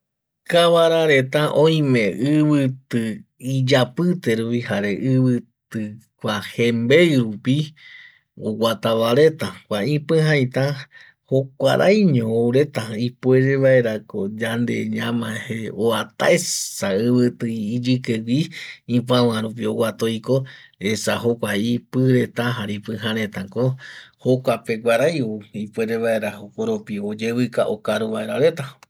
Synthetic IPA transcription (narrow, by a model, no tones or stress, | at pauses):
kaβaɾaɾe̞t̪aʔõĩmẽʔɨβɨt̪ɨid͡ʒapɨt̪eɾupihaɾe̞ʔɨβɨt̪ɨ | kʷahembejɾupi | o̰wʷat̪aβaɾet̪akʷaĩpɨ̃ɦãj̃t̪ã | hokʷa̰ɾʔa̰jɲõowɾe̞t̪aipueɾeβaeɾakod͡ʒand̪ḛɲãmãheoat̪a̰esaɨβɨt̪ɨːd͡ʒɨkewʷiĩpãwãɾũp̬io̞ɡwat̪ojko̞esahokʷaipɨɾet̪aɦaɾipɨ̃ɦãɾẽ̞t̪ãkohokʷapeɡʷaɾajoipʷeɾeβae̞ɾahokoɾopiod͡ʒeβɨkaʔokaɾuβaeɾaɾe̞t̪a